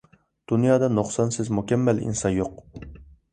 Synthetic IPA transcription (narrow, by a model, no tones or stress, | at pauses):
d̪̥unjɑːd̪ɑnoχsɑnsɪzmukʲɛmːɛlḭnsɑnjoq